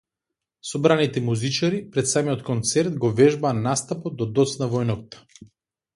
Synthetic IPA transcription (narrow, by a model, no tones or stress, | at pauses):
sɔbɾanit̪ɛmuzit͡ʃaɾipɾɛt̪samiɔt̪kɔnt̪sɛɾt̪̚ɡɔvɛʒbaːnːast̪apot̪̚d̪ɔd̪ɔt̪snavɔjnɔk̚t̪ḁ